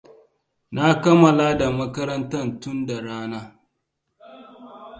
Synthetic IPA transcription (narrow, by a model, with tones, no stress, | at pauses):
na˦kɐ˦mɐ˨laː˦da˨mɐ˦kɐ˦ɾɐ˦ntɐ˦˨ntʊ˦nda˨ɽaː˦naː˦